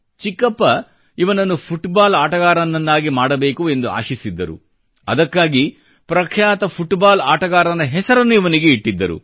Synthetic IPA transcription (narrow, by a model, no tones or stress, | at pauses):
t͡ʃikːɐpːɐ | iʋɐnɐnːupʰuʈbaːlaːʈɐɣaːɾɐnːɐnːaːɡimaːɽɐbe̞ːkue̞nd̪ua̰ːʃisid̪ːɐɾṵ | ɐ̰d̪ɐkːaːɡi | pɾɐkʰjaːt̪ɐpʰuʈbaːlaːʈɐɡaːɾɐnɐɦɛsɐɾɐnːuiʋɐniɡeiʈːid̪ːɐɾṵ